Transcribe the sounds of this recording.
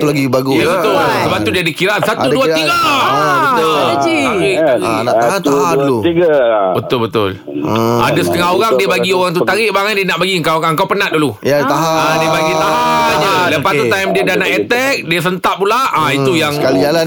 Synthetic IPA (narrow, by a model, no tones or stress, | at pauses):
t̪ulaɡibaɡujabət̪ʊlsəbap̚t̪udiadikiɾaʔnsatauduaiɡaabəəd͡ʒiaiaina̰ʔ̪aat̪aadulut̪iɡabət̪ʊlbət̪ʊ̰l | əa̰dəsə̥t̪əŋaɦoɾaŋdiəbaɡioɣaŋt̪̬ut̪aɾɪʔbaŋandiənaʔbaɡiəŋkawəŋkawpənatdulujat̪aɦaadiəbaɡiaɦaaɲaləpast̪ut̪ajmdiədanaʔet̪ɛk̚diəs̬ənt̪aʔpulaʔait̪ujaŋkaliala